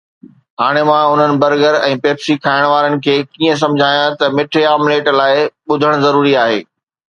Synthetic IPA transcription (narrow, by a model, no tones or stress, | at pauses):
ɦaːɽ̃emãʊn̤ənɪ̆bɐɾɡəɾɛ̰̃ːpeːpsikʰaːɪɽ̃ʋaːɾənɪ̆kʰeːkiːə̃s̬ɐ̃md͡ʑʱaːjãt̪ɐmɪʈʰeaːmleːʈlaːɪɓʊd̪ʱəɽ̃ʊzɐɾuːɾiaːɦḛː